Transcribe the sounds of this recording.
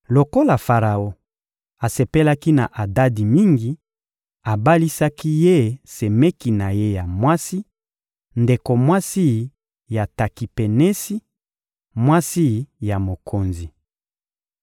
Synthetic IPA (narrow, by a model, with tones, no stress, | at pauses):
lo˨ko˦la˨fa˨ʁa˨o˦ | a˨se˨pe˦la˦ki˦na̰˨ʔa˨da˦di˨mi˦ŋɡi˨ | a˨ba˦li˦sa˦ki˦je˦se˨me˦ki˨na˨je˦ja˨mwa˦si˦ | nde˨ko˨mwa˦si˦ | ja˨ta˨ki˨pe˨nɛ˦si˦ | mwa˦si˦ja˨mo˨kʰo˨nzi˨